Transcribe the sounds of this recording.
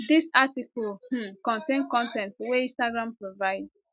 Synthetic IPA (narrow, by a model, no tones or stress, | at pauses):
disatikɔlh̩kɔ̃ntẽnkɔ̃ntɛ̃ntweĩstaɡɹãmpɹovaɪd